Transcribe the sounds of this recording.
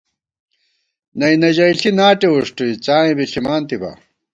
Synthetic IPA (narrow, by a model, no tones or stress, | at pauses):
nɐijnɐʑɐiɬinaːʈeuʂʈuit͡saːĩbiɬimaːnt̪ibɐ̰